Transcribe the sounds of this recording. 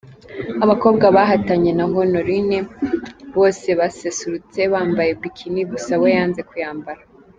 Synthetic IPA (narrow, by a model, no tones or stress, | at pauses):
aβako̞ːbɡaβaɦataɲe̞naɦonoɾineβo̞ːse̞βasesuɾut͡se̞βaːmbajeɡikʰiniβusawejaːnze̞kujaːmbaɾa